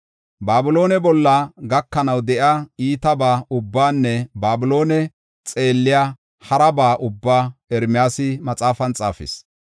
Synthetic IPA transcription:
baːbɪlo̞ːnɛbɔlːɐɡɐkːɐnɐwd̪ɛʔaiːt̪ɐbaːʊbːaːnːɛbaːbʊlo̞ːnɛ | t͡sʼe̞ːlːɪjaː | hɐɾɐbaːʔʊbːaːɛɾmɪjaːsɪmɐt͡sʼaːfɐnt͡sʼa̰ːfɪ̰s

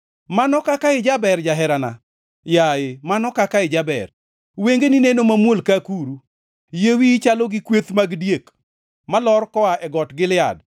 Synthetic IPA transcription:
manɔkakaɪd͡ʒabɛɾd͡ʒaɦɛɾana̰ | jajemanɔkakaɪd͡ʒabɛ̰r | weŋɡeninenomamwolkakuɾu | jewit͡ʃaloɡɪkwet̪maɡdjek | malɔrkɔaʔɛɡɔtɡɪlɪa̰d

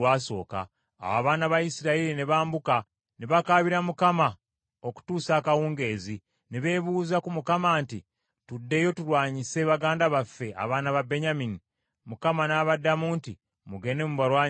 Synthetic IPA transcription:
waːso̞̰ːka̰ː | waːβaːnaβajisiɾaiɾineβaːmbuka | neβakaːβiɾamukama | o̞ku̥tuːsaːkawuːŋɡe̞ːzi | neβe̞ːβuːzakumukamaːnti | tudːe̞jo̞tuɾwaːɲise̞βaɡaːndaβafːe̞a̰βaːnaβabe̞ɲamini | mukamanaːβadːamuːnti | muɡe̞ne̞muβaɾwaːɲ

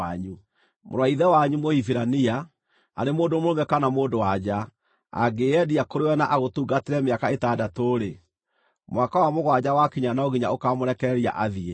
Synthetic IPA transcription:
aɲu | mo̰ɾwaiðɛwaɲumohifiɾania | a̰ɾemoːdomoɾomɛkanamoːndowad͡ʑa | a̰ɡeɛdiakoɾewɛnaʔaɣotuːɡateɾɛmeakaetaːdatoːɾe | mowakawamoɣwad͡ʑawakiɲanaoɣiɲaokamoɾɛkɛɾia̰ʔaðie

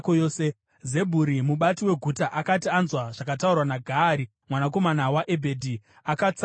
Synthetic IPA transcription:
kojoːse | ze̞bʱuɾimuɓatiwe̞ɡʱutaʔakatianzwaʐ̥akataurwanaɡʱaːɾi | mwanak̬o̞manawaʔebʱe̞dʱi | akat͡s

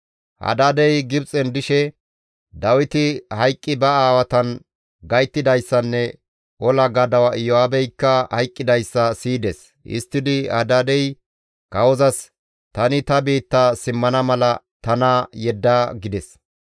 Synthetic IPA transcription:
hɐ̰d̪aːd̪ɛjɡɪbt͡sʼɛnd̪ɪʃɛ | d̪ɐwɪt̪ɪhɐjkʼːɪbɐaːwɐt̪ɐn | ɡɐjt̪ːɪd̪ɐjsːɐnːɛ | ʔɔlɐɡɐd̪ɐwɐɪjɔaːbɛjkːɐhɐjkʼːɪd̪ɐjsːɐsiːd̪ɛs | ʔɪ̰st̪ːɪd̪ɪhɐ̰d̪aːd̪ɛj | kɐwɔzɐs | t̪ɐnɪt̪ɐbiːt̪ːasɪmːɐnɐmɐlɐ | t̪ɐnajɛd̪ːaːɡɪd̪ɛs

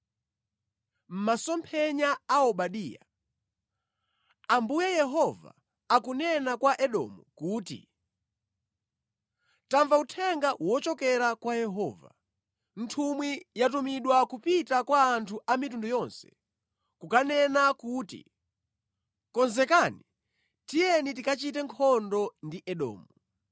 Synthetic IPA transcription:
m̩masɔmpʰɛɲaːɔɓaɗiːja̰ | ambujɛjɛɦɔva̰ | akunɛnakwaʔɛɗɔ̰mṵkuːtḭ | taɱvautʰɛŋɡawɔt͡ʃɔkɛɾakwajɛɦɔːva̰ | n̩tʰumwijat̬umiɗwakupitakwaːntʰuʔamitundujɔnsɛ̥ | kukanɛnakuːtḭ | kɔnzɛkani | tijɛnit̬ikat͡ʃit̬ɛŋkʰɔndɔndiʔɛɗɔ̰ːmu

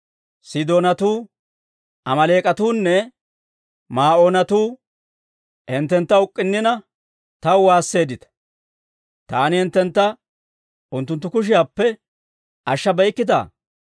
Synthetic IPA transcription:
sɪd̪oːnɐt̪uː | ʔɐmɐle̞ːkʼɐt̪uːnːɛ | maːʔoːnɐt̪uː | hɛnt̪ːɛnt̪ːɐʊkʼːɪnːɪnɐ | t̪ɐwwaːsːe̞ːd̪ɪt̪ɐ̥ | t̪aːnɪhɛnt̪ːɛnt̪ːɐ | ʊnt̪ːʊnt̪ːʊkʊʃ̬ɪjaːpːɛ | ʔɐʃːɐbɐjkːɪd̪a̰ː

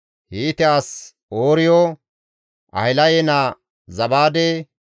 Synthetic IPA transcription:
hiːt̪ɪaːs | oːɾɪjɔ | ʔɐ̰hɪlɐjɛna | zɐbaːd̪ɛ

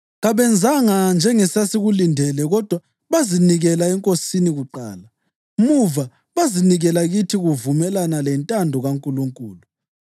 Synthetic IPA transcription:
ɣaβɛnd͡zʱaŋand͡ʒʱɛŋɛsasiɣulindʱɛlɛɣɔd̥ʱwa | βaziniɣɛlaɛŋkʼosiniɣuǃa̰ːla | muva | βaziniɣɛlaɣitʰiɣuvumɛlanalɛntʼandʱɔɣaŋkʼuluŋkʼuːlu

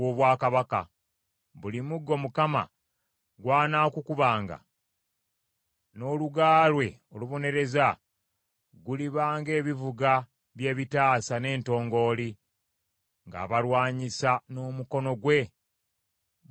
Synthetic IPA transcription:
oβwaːkaβaka̰ | βulimuɡːo̞mukama̰ | ɡwaːnaːkukuβaːŋɡa̰ | no̞ːluɡaːlwe̞o̞luβo̞ne̞ɾe̞za | ɡuliβaːŋɡe̞ːβivuɡa | βje̞ːβitaːsane̞ːnto̞ːŋɡo̞ːli | ŋɡa̰ːβalwaːɲisano̞ːmuko̞no̞ɡwe̞

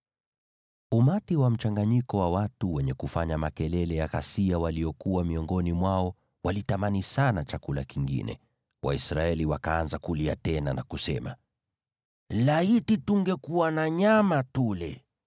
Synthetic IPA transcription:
umatiwam̩t͡ʃaŋɡaɲikɔwawatuwɛɲɛkufaɲamakɛlɛlɛjaɣa̰siawaliɔkuwamiɔŋɡɔnimwaɔ | walitamanisanat͡ʃakula̰kiŋɡḭnɛ̰ | wa̰isɾaɛliwakaanzakuliatɛnanakusɛma | laitituŋɡɛkuwanaɲamatulɛ

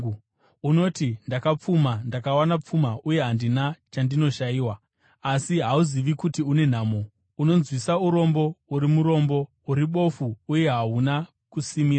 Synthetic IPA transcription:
uno̞tindakap͡fumandakawanap͡fumauje̞ɦandinat͡ʃandino̞ʃaiːwaː | siɦauziʋikutiune̞n̤aːmo | uno̞nzwisauɾo̞mbo̞uɾimuɾo̞mbo̞ | uɾiɓo̞fuːje̞ɦauna | kusimira

